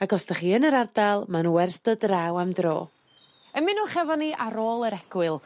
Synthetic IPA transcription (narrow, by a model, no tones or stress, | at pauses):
aɡɔsdaχiːənəɾardalˠmanwɛrθd̥ɔdrawamdro̰ː | əmɪnuːχɛvɔniʔaɾoːlˠəɾɛɡ̥wɪlˠ